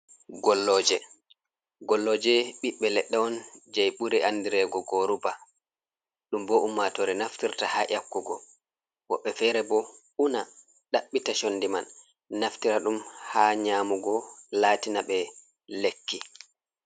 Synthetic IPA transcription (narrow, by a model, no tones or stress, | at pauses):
ɡɔlːɔd͡ʒɛ | ɡɔlːɔːd͡ʒɛɓiɓːɛlɛɗːɛɔnd͡ʒajɓuɾɛʔandiɾɛɡɔɡoɾuba | ɗumbɔʔumːatɔɾɛnaftiɾtahaʔakːuɡɔ | wɔ̰ɓːɛfɛɾɛbɔ | una | ɗaɓːitaʃonːdimanː | aftiɾaɗumhaːɲaːmuɡɔlaːtinaɓɛ | lekːi